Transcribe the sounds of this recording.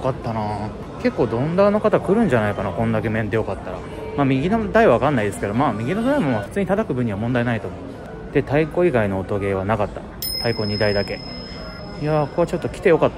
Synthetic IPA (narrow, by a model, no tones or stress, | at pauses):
kat̪ːanaː | ke̞kːo̞ːd̪õ̞nd̪aːno̞kat̪akɯ̟ɾɯ̟̃ɲ̟d͡ʑanaikanakõ̞nd̪ak̬e̞mẽ̞nd̪e̞jo̞kat̪ːaɾa̰ | mamʲiɡʲinod̪aiβaβakãnːaid̪e̞sɨ̥ke̞d̪o̞maːmʲiɡʲinond̪aimomaɸɯ̟̥t͡sɨːɲ̟it̪at̪akɯ̟bɯ̟ɲ̟iβamond̪ainait̪o̞mo | d̪̥e̞t̪aiko̞iɡaino̞ːt̪o̞ɡe̞ːβ̞anakat̪ːa̰ | t̪aiko̞ɲ̟id̪aid̪ake̞ | ijako̞at͡ɕo̞t̪ːo̞kʲi̥t̪e̞jo̞kat̪ːa